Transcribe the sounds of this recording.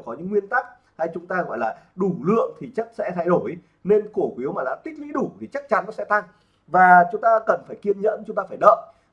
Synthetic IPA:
kɔ˨˦ɲɨ̰˧˥ŋːwi˧ənt̪a˦˥k̚ | ha˧jt͡ɕʊ˨˦ŋ͡mt̪aː˧ɣɔ̰˧˩jlaː˨˩ɗu˧˩lɨ̰˧˨əŋt̪ʰi˨˩t͡ɕa˦˥k̚sɛ̰˧˥t̪ʰa˧jɗo˧˩j | ne˧nko˧˩kwi˨˦əwmaː˨˩laː˨˩t̪ï˦˥k̟̚lḭ˧˥ɗu˧˩t̪ʰi˨˩t͡ɕa˦˥k̚t͡ɕa˨˦nːɔ̰˨˦sɛ̰˧˥t̪a˧ŋ | vaː˨˩t͡ɕʊ˨˦ŋ͡mt̪aː˧kə˨˩nfaː˧˩jki˧ənɲə̰˧˥nt͡ɕʊ˨˦ŋ͡mt̪aː˧faː˧˩jɗə̰ː˧˨ʔ

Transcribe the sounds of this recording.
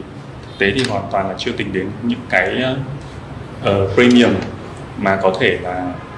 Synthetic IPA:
t̪ʰɨ˨˩k̚t̪e˨˦t̪ʰi˨˩ɦwaː˨˩nt̪waː˨˩nlaː˨˩t͡ɕɨ˧ət̪ï˨˩ŋ̟ɗe˨˦nɲɨ̰˧˥ŋkaː˨˦jʔəː˧˦ | ʔəː˨˩pɾi˧mi˧˩əmː | aː˨˩kɔ˨˦t̪ʰe˧˩laː˨˩

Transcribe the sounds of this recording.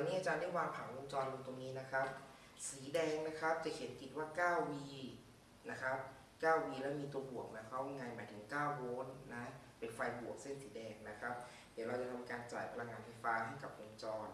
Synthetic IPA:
daː˧niː˦˥ʔa˧t͡ɕaː˧nda˥˩jwaː˧ŋpʰa˨˩˦ŋʔu˧mt͡ɕɔː˧nlo˧t̪o˧ŋniː˦˥na˦˥kʰa˦˥p̚ | siː˩˦dɛː˧ŋna˦˥kʰa˦˥p̚t͡ɕa˨˩he˨˦nki˨˩waː˥˩kaː˥˩wwiː˧ | na˦˥kʰa˦˥p̚ | kaː˥˩wwiː˧lɛː˦˥˩wmiː˧t̪u˧ɐəbu˨˩ək̚na˧˦˥kʰa˦˥wa˧ŋa˧jmaː˨˩˦jt̪ʰɯ˩˦ŋkaː˥˩wwoː˦˧˥nːa˦˥ | pe˧nfa˧jbu˨˩ək̚se˥˩nsiː˩˦dɛː˧ŋna˦˥kʰa˦˥p̚ | diː˨˦wɾa˧wt͡ɕa˨˩t̪ʰa˧mkaː˧nt͡ɕaː˨˩jpʰa˧la˧ŋːaː˧nfa˧jfaː˦˥ɦa˥˩jka˨˩p̚ʔu˧mt͡ɕɔː˧n

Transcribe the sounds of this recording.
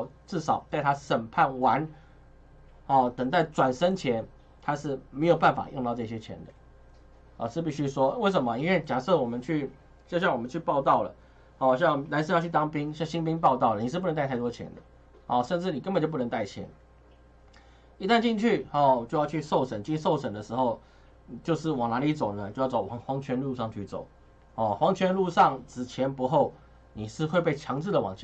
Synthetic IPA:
t͡sɹ̩˥˩ʂɑ˨˩ʊt̪a˥˩ɪt̪ʰa˥ʂə˨˩npʰa˥˩nwa˧˦n | hɔ˥˩t̪ə˨˩ŋt̪a˥˩ɪt͡swa˨˩nʂə˥ŋt͡ɕʰjɛ˧˥n | t̪ʰa˥ʂɻ̩˥˩me˧˥ɪjo˨˩ʊpa˥˩nfa̰˨˩j̰ŋt̪ɑ˥˧ɤ˥˧˩ɕjɛ˥t͡ɕʰjɛ̰˧˥nd̪ə˨ | ɔ̰˨ʂɻ̩˥˧pi˥˩ɕy˦˥ʂwɔ˥we˥˩ɪʂ̬ə˨˩˦mɐ˦i˥nwe˥˧˩t͡ɕja˨˩sɤ˥˩wɔ˨˩mə˦nt͡ɕʰy˥˩ | t͡ɕjɕjɑ˥˩ŋwɔ˨˩mə˦t͡ɕʰy˥˧pɑ˥˧ʊt̪ɑ˥˩ʊlə̰˩ | hɔ˥˩ɕ̬jɑ˥˩ŋna˧˥nʂ̬ɻ̩˥˧jʊt͡ɕʰy˥˩t̪ɑ˥ŋpi˥ŋɕjɑ˥˩ŋɕi˥ŋpi˥ŋp̬ɑ˥˧ʊt̪ɑ˥˩ʊlə˩ni˨˩ʂ̩˥˩pə˧˥ŋ˥˧tʰa˥˩ɪt̪wɔ˥t͡ɕʰjɛ̰˧˥nd̪ə˨ | ɔ˥˩ʂə˥˧nʈ͡ʂɻ̩˥˩ni˨˩kə˥npə˨˩t͡ɕo˥˧˩p̬u˥˩n˧ŋt̪a˥˩ɪt͡ɕʰjɛ̰˧˥˦n | i˧˥t̪a˥˧nt͡ɕi˥˧ŋt͡ɕʰy˥˩ɔ˥˩˨t͡ɕjʊjʊt͡ɕʰy˥˧so˥˩ʊʂə˨˩nt͡ɕi˥˧so˥˩ʊʂə˨˩nd̪ə˦ʂɻ̩˧˥xo˥˧ʊ˨ | t͡ɕjo˥˧ʊʂɻ̩˥˩wɑ˨˩ŋna˧˥li˧˥t͡so˨˩ʊnə˦t͡ɕjo˥˧ʊjt͡so˨˩ʊwɑ˧˥xwɑ˧˥ŋt͡ɕʰɥɛ˧˥nlu˥˧ʂɑ˥˧ŋt͡ɕʰy̰˥˩t͡so̰˨˩˦ʊ | hɔ˥˨˩xwɑ˧˥ŋt͡ɕʰɥɛ˧˥nlu˥˧ʂɑ˥˩ŋt͡sɹ̩˨˩t͡ɕʰjɛ˧˥npu˧˥xo˥˩ʊ | ni˨˩ʂɻ̩˥˧xwe˥˧ɪpe˥˩ɪt͡ɕʰjɑ˧˥ŋt͡sɹ̩˥˩d̪ə˩wɑ˨˩ŋt͡ɕʰ

